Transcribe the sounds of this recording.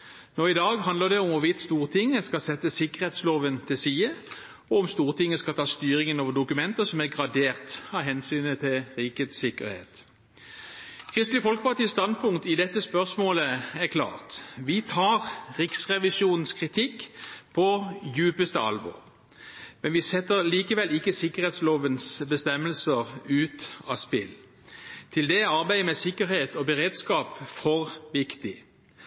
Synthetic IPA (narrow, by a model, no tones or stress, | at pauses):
noːɪd̪ɑːɡɦɑnd̪əʁd̪ɛɔmʋʊʋɪt̪st̪uːʁt̪ʰɪŋːəskɑsɛt̪ːəsɪkəʁheːt̪sloːʋənt̪ʰɪlsiːə | ɔɔmst̪uːʁt̪ʰɪŋːəskɑlt̪ʰɑːst̪yːɾɪŋənoːʋəd̪ʊkʉmɛnt̪əsɔmæɡʁɑd̪eːʁt̪hɑːɦɛnsyːnət̪ʰɪlʁiːket̪sɪkə̰ɾhḛːt̪ | kʰʁɪst̪lɪfɔlkə̥pɑt̪iːst̪ɑnpʰʊŋ̚t̪ɪd̪ɛt̪ːəspœʁsmoːləæʁkʰlɑ̰ːʁt̪ʋɪt̪ʰɑːʁʁɪksʁɛʋɪsuːnn̩skʰʁɪt̪ʰɪkːpʰɔjʉːpəst̪əɑ̰lbɔ̰ʁ | mɛnʋɪsɛt̪ːəʁliːkəʋɛlɪkːəsɪkəʁheːt̪sloːʋənsbəst̪ɛmːəlsəʁʉːt̪ɑ̰spɪl | t̪ʰɪld̪ɛɑʁbæɪəmɛsɪkːəɾheːt̪ɔbəʁeːd̪skɑːpfɔʁʋɪkt̪ɪ